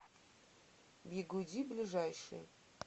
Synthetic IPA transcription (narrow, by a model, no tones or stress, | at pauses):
biɡudʲiblʲiʐajʂɨ̰